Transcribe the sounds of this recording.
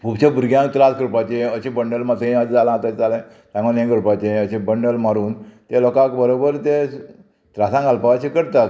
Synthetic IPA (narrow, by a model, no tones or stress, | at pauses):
pubt͡ɕebuɾɡjãk̚t̪ɾaskɾupat͡ɕeəɕebəɳɖəlmat̪at͡sd͡zalãt̪at͡ɕd͡zalã | sãŋɡonjãkɾupat͡ɕẽəɕẽbəɳɖəlmaɾuːnt̪elɔkãkbəɾobəɾt̪e | t̪ɾasãŋɡalpaʋat͡ɕekəɾt̪at̪̚